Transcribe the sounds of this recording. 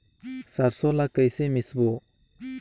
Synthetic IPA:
saɾsɔlakəjsemisbɔ

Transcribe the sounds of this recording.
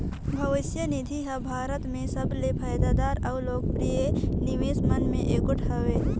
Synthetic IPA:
bʱəʋɪsjənɪd̪ʱiɦɐbʱaːɾət̪mẽsəblepʰaːjd̪aːd̪aːɾɐʊloːɡ̚pɾijenɪʋeːsmənmḛ̃ʔeːkʊʈʰɦəʋeː

